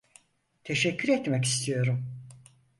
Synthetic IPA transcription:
t̪ʰeʃɛcʰːyɾɛt̪mɛci̥st̪ʰijo̞ɾum

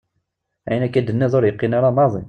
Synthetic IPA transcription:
ʕjnækːæd̪ənːæzˤoɾjəqːinaɾanɑðˤḭ

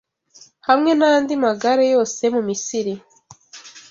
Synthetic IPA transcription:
hamŋe̞nandimaɡaɾejo̞ːse̞mumisiɾi

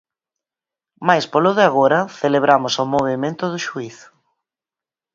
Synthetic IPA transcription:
majspolʊðɪaɣoɾɐθeleβ̞ɾamʊsomoβ̞emẽnt̪ʊðʊʃuiθ

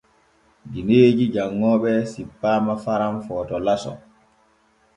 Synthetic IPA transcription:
dineːd͡ʒid͡ʒaŋːɔːɓɛsipːaːmafaɾamfɔːtɔlasɔ̰

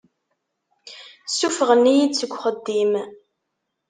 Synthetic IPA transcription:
sufəʁənːijid̪t͡sːəɡʷːχəd̪ːim

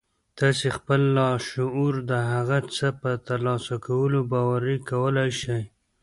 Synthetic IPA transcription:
t̪ɑsexpəlːɑʃʊuɾd̪əɦaɣat͡səpət̪aɾlɑsakawəlobɑwaɾikawəlajʃaj

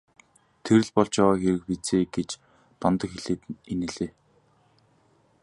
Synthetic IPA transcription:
t̪ʰeɾɘ̆ɮpɔɮt͡ɕjaʁaːxeɾɘ̆k̚pit͡seːɡet͡ɕ | p̪ɔnt̪ə̆kxeɮeːt̪enɘ̆ɮeː

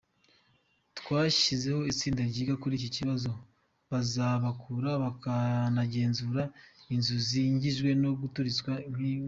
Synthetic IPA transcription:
twaːʃize̞ho̞it͡siːndaɾɟiːɡakuɾiːc̬ociβazo̞ | βazaβakʰuːɾaβakanaɟe̞ːnzuɾainzuziɲɟiʒɡwe̞no̞ɡutuɾit͡skwaŋ̥hi

